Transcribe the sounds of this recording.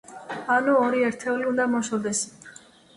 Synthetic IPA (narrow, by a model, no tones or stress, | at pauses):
anuɔɾiɛɾt̪ʰɛuliund̪amɔʃɔd̪ɛs